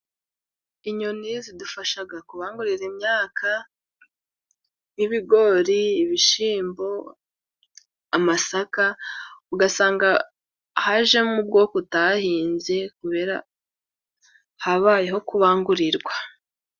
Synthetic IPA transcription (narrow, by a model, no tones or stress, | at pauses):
iɲo̞nizidufaʃaɡakuβaːŋɡuɾiɾimɲaːkʰa | jiβiɡo̞ɾiːβiʃiːmbo̞ | amasakauɡasaːŋɡa | haʒe̞mub̚ɡo̞ːkotahiːnze̞kuβe̞ːɾa̰ | haβaːje̞ɦo̞kuβaːŋɡuɾiɾɡwa